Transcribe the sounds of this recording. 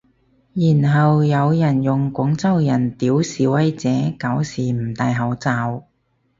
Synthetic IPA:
jiː˨˩nɦɐ˨wjɐ˨˧wjɐ˨˩njʊ˨˩ŋkʷʊ˨˥ŋt͡sɐ˥wjɐ˨˩nt̪iː˨˥wsiː˨˥wɐ˧˥jt͡sɛː˨˥ka˨˥wsiː˨˩m̩˨˩t̪aː˧jɦɐ˨˥wt͡saː˨˧w

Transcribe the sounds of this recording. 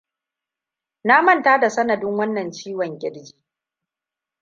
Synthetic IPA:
na˦mɐ˦˨ntaː˦da˨sɐ˦nɐ˨dʊ˦ŋwɐ˦nːɐ˨nt͡ʃiː˦wɐ˨ŋɡʲɪ˦ɽd͡ʒi̥ː˨

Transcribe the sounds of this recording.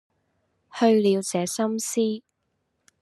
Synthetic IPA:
hɵ˧ɥliː˨˧wt͡sɛː˨˧sɐ˥msiː˥

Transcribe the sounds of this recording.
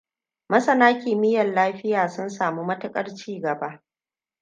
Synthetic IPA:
mɐ˦sɐ˦naː˦kʲiː˨mɪ˦jɐ˨nlaː˦ɸɪ˦jaː˨sʊ˦nsaː˨mu˦mɐ˦tʊ˦kʼɐ˦rt͡ʃiː˦ɡɐ˨ba˦ʔ

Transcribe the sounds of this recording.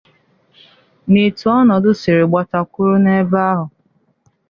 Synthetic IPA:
ne˨tu˨˦ɔ˦nɔ˨dʊ˦sɪ˨ɾɪ˨ɡ͡ba˨ta˨kʷʊ˦ɾʊ˦ne˦ba˦ɦʊ˨

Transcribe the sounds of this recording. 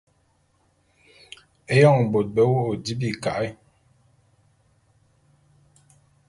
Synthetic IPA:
e˦jɔ˦˨ŋbo˨t̚bɛ˦wo˦o˨di˦bi˦˨ka˨ʔi˦

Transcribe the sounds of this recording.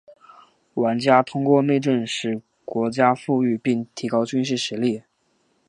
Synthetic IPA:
wa˧˥nt͡ɕja˥t̪ʰʊ˥ŋkwɔ˥˧ne˥˧ɪʈ͡ʂə˥˧nʂɻ̩˥˩ | kwɔ˧˥t͡ɕja˥fu˥˧y˥˧pi˥˩ŋt̪ʰi˧˥kɑ˥ʊt͡ɕy˥nʂɻ̩˥˩ʂɻ̩˧˥li˥˩

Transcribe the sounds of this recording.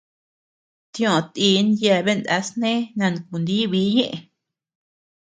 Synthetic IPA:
t̪j̃õ˨˧˨t̪i˧˦nja˧˨˧βe˦nd̪a̰˧˦snẽ˦nã˧n˧ku˨nd̪i˦βi˦ɲẽ˦ʔẽ˧˨

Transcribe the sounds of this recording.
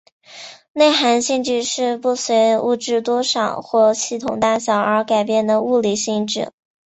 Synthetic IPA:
ne˥˩ɪxa˧˥nɕi˥˧nʈ͡ʂy˥˧ʂɻ̩˥˧pu˥˩swe˧˥ɪṵ˥˧ʈ͡ʂɻ̩˥˧t̪wɔ˥ʂɑ̰˨˩ŋxwɔ˥˧ɕi˥˩t̪ʰʊ˨˩ŋt̪a˥˩ɕjɑ˨˩ʊə˞˧˥ka˨˩ɪpjɛ˥˩nd̪ə˩u˥˩li˨˩ɕi˥˧ŋʈ͡ʂɻ̩˥˩

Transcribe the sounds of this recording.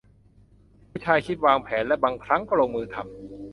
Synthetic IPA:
uː˦˥t͡ɕʰaː˧jkʰi˦˥t̪̚waː˧ŋpʰɛː˩˦nlɛ˦˥baː˧ŋkʰɾa˦˥ŋkɔː˥˩ɾoː˧ŋmɯː˧t̪ʰa˧m

